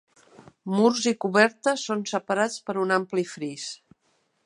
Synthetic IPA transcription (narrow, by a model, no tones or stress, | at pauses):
murzikuβɛɾt̪əsonsəpəɾat͡spəɾunamplifɾis